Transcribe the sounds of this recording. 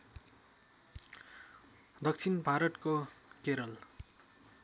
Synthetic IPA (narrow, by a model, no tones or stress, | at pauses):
d̪ʌk̚t͡sʰinbʱaɾʌʈ̪kokeɾʌl